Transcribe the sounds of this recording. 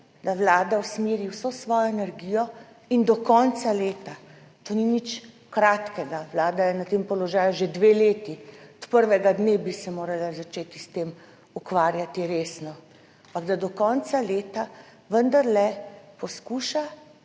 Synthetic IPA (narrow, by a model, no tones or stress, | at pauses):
d̪awlaːd̪awsmiːɾiwsosʋɔːjɔɛnɛɾɡiːjɔ | ind̪ɔkɔnsaleːt̪a | t̪oːninit͡ʃ | kɾaːt̪kɛɡaʋlaːd̪ajɛnat̪eːmpɔlɔʒaːjuʒed̪ʋeleːt̪iɔt̪pəɾʋɛɡad̪neːbisɛmoːɾalazat͡ʃeːt̪ist̪eːm | ukʋaːɾjat̪iɾeːsnɔ | ampaɡd̪ad̪ɔkɔnsaleːt̪a | ʋənd̪aɾlɛpɔskuːʃa